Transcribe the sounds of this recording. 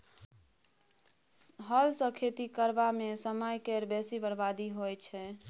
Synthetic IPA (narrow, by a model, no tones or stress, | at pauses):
ɦəlsə̃kʰet̪ikəɾbamesəməjkeɾbesibəɾbad̪iɦojt͡ʃʰɛ